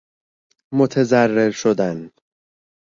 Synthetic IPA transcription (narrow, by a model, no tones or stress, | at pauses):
mot̪ʰe̞zærːeɾʃod̪æn